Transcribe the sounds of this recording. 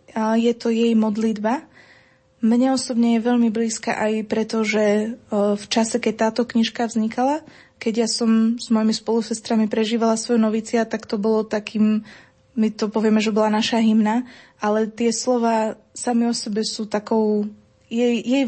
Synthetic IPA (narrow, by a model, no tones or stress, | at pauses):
jɛt̪ɔjɛjmɔd̪lid̪ba | mɲɛɔsɔbɲɛjɛʋɛʎmibliːska̰ʔajpɾɛt̪ɔʒɛ | ft͡ʃasɛkɛc̚t̪aːt̪ɔkɲiʃkavzɲikala | kɛɟjasɔmz̥mɔjimispɔlusɛst̪ɾamipɾɛʒiːʋalasʋɔjɛnɔʋiːt͡sɪat̪akt̪ɔbɔlɔt̪akʰiːmː | it̪ɔpɔʋɪɛmɛʒɛbɔlanaʃaɦimna | alɛt̪ɪɛslɔʋaː | samiɔsɛbɛsuːt̪akɔʊ | jɛjjɛj